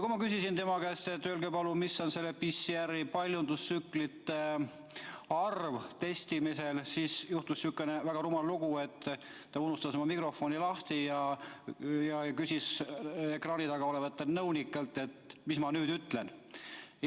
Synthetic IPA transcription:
kumɑkysisint̪e̞mɑɡæst̪et̪ːølɡepɑlumisːo̞nse̞lːepisːiæɾipɑlʲjund̪̥usːyklit̪ːˑe | ɑrvt̪e̞st̪imise̞lsiːsjuht̪ussykːˑenevæɡ̥ɑɾumɑlluɡue̞t̪ː | t̪ɑunust̪ɑso̞mɑmikro̞fo̞nilɑht̪ijɑ | jɑkysisekrɑːnit̪ɑɡɑolevɑt̪ːelnɤwnikːˑɑlt̪ːˑe̞t̪mismɑnyːd̪yt̪ˑle̞n

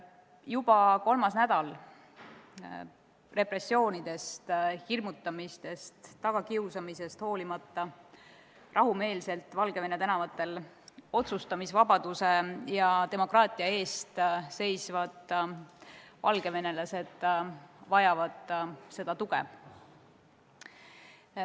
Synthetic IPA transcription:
jub̥ɑko̞lmɑsnæd̪̥ɑl | re̞pre̞sːio̞ːnid̪̥e̞st̪hirmut̪ːˑɑmist̪e̞st̪ːɑɡ̥ɑkiusɑmise̞st̪ho̞ːlimɑt̪ːɑ | rʔɑɦume̞ːlse̞lt̪ːˑvɑlɡ̥e̞ve̞net̪ænɑvɑt̪ːˑe̞l | o̞t̪sust̪ɑmisvɑbɑd̪̥use̞jɑt̪e̞mo̞krɑːt̪ˑiɑe̞ːst̪se̞jsvɑd̪̥ | vɑlɡ̥e̞ve̞ne̞lɑse̞d̪̥vɑjɑvɑd̪̥se̞d̪̥ɑt̪uɡ̥e

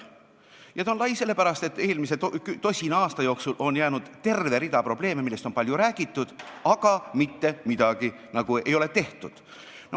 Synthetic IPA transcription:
jɑt̪ɑonlɑjse̞lːe̞pæɾɑst̪e̞t̪ːe̞ːlmise̞t̪kyt̪o̞sʲinɑɑːst̪ɑjo̞ːksulʔo̞njæːnud̪̥t̪e̞rve̞ɾid̪ɑpro̞b̥le̞ːmemilːe̞st̪o̞npɑljuɾæːɡ̥it̪ːˑud̪̥ɑɡ̥ɑmit̪ːe̞mid̪̥ɑɡ̥i | nɑɡ̥ue̞jo̞le̞t̪e̞ht̪ud̪̥ | no

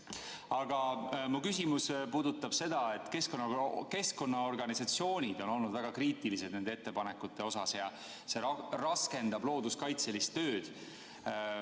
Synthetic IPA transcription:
ɑɡ̥ɑmukysʲimuspuːd̪ut̪ːˑɑb̥se̞d̪̥ɑe̞t̪ːˑke̞sko̞nːɑke̞sko̞nːɑo̞rɡ̥ɑnisɑt̪sio̞ːnʲid̪o̞no̞lnud̪̥væɡ̥ɑkriːt̪ˑilised̪ne̞nd̪ee̞t̪ːe̞pɑnekːˑut̪ːˑe̞o̞sɑsjɑ | se̞rɑske̞nd̪̥ɑblo̞ːd̪̥uskɑjt̪se̞list̪ːø̞ːd̪̥

